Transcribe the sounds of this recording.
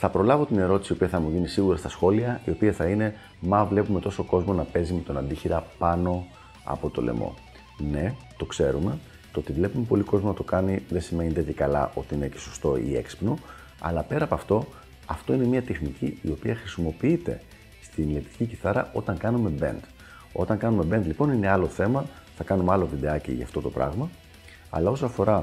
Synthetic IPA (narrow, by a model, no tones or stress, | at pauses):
θɐpɾo̞lɐvo̞t̪ine̞ɾo̞t̪isio̞piɐθɐmuʝinisiɣuɾɐst̪ɐsxo̞liɐio̞piɐθɐine̞ | mɐvle̞pume̞t̪o̞so̞ko̞zmo̞nɐpe̞zimet̪o̞nɐnd̪içiɾɐpɐno̞ | ɐ̰po̞t̪o̞̰le̞̰mo̞̰ | ne̞t̪o̞kse̞ɾume̞ | t̪oot̪ivle̞pume̞po̞liko̞zmonɐt̪o̞kɐniðesime̞ɲind̪eðikɐlɐ̰ʔo̞t̪iine̞ce̞̥sost̪o̞ḭe̞̰ksi̥pno | ɐ̰lɐpe̞ɾɐːpɐft̪o̞ | ɐft̪o̞inemiɐt̪exniciio̞piɐxɾisimo̞piit̪e̞̰ | st̪inlet̪i̥ciciθɐɾɐ̰ʔo̞t̪ɐŋkɐnume̞be̞̰nd̪ | o̞̰t̪ɐŋkɐnume̞be̞nd̪lipo̞nine̞ɐlo̞θe̞mɐθɐkɐnumeɐlovid̪eɐcḭʝɐ̰ːft̪o̞t̪o̞pɾɐ̰ɣmɐ | ɐ̰lɐo̞soɐfo̞ɾɐ